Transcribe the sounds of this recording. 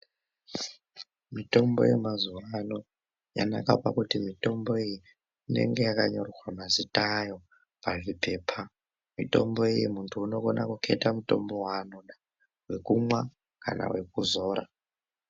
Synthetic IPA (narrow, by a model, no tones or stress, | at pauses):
mitʼo̞mbo̞̰jemazuwano | ja̰nakapakutimitʼo̞mboiji | ine̞̰ŋɡejakaɲorowamazitʼajo | pavipʰe̞ːpʰa | mitʼo̞̰mboijimuntʰuːno̞konakukʰetamutʼo̞̰mbo̞wanona | we̞kumwa | ka̰na̰we̞kuzoːɾa̰